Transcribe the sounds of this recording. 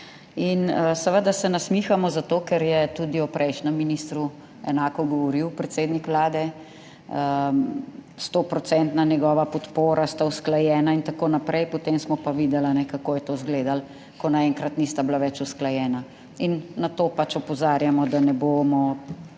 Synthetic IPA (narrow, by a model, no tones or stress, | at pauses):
inəsəʋəd̪asɛnasmiːxamɔzat̪oːkɛɾjɛt̪ud̪iɔpɾʔɛjʃnəmːinist̪ɾu | ɛnaːkɔɡɔʋɔɾiwpɾɛt̪seːd̪nikʋlaːd̪ɛ | ə | st̪opɾɔt̪sɛnt̪nanjɛɡɔːʋapɔt̪poːɾast̪ausklajɛːnaint̪akoːnapɾʔɛjpɔt̪emsmɔpaʋid̪ɛlanɛkakoːjɛt̪ozɡleːd̪al | kɔnaɛŋkɾat̪nist̪ablaʋɛt͡ʃusklajɛːna | inːat̪opat͡ʃɔpɔzaːɾjamɔd̪anɛboːmɔ